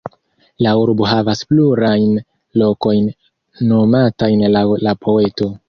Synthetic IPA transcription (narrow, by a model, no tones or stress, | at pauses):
lauɾbo̞ɦavaspluɾajn | lo̞ko̞jnː | o̞matajnlawlapʰo̞e̞to̞